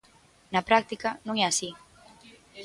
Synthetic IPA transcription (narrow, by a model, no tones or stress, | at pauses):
nɐpɾak̚t̪ikɐnũŋɛasi